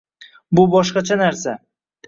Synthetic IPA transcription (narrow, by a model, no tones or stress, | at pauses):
bʊbɒʃqɑt͡ʃʰanaɾsa